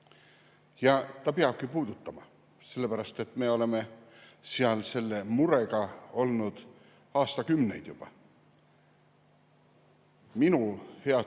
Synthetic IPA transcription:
jɑt̪ɑpeɑb̥̚kipuːd̪ut̪ːˑɑmɑ | se̞lːepæɾɑst̪e̞t̪ːˑme̞ːo̞le̞me̞seɑlse̞lːe̞muɾe̞ɡɑo̞lnud̪̥ | ɑːst̪ɑkymne̞̰jd̪̥jub̥ɑ̰ | minuhe̞ɑ

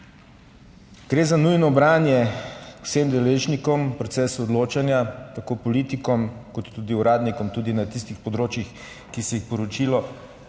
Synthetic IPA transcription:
ɡ̥ɾeːzanujnɔbɾaːnjɛwsemd̪ɛleːʒnikɔmpɾɔt̪sɛːsɔd̪loːt͡ʃanjat̪akoːpɔlit̪ikɔmkɔt̪ːuːd̪iuɾaːd̪nikɔmt̪uːd̪inat̪ist̪ixpɔd̪ɾoːt͡ʃjix | kisɛjixpɔɾɔt͡ʃilɔ

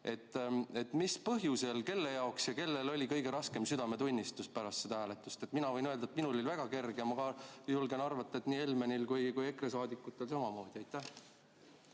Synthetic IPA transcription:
e̞t̪ːˑe̞t̪ːˑmispɤɦjuselke̞lːe̞jɑoksjɑke̞lːe̞lo̞lʲikɤjɡ̥e̞ɾɑske̞msyd̪̥ɑme̞t̪unʲːist̪uspæɾɑst̪sed̪ɑhæːlet̪ːˑust̪e̞t̪minɑvɤ̞jnø̞ld̪ɑet̪minulolivæɡ̥ɑke̞rɡ̥emɑɡɑjulɡe̞nɑrvɑt̪ːˑɑet̪niːe̞lme̞nilkujkuje̞kresɑːd̪ikːˑut̪ːˑe̞lsɑmɑmo̞ːd̪̥iɑjt̪ːæh

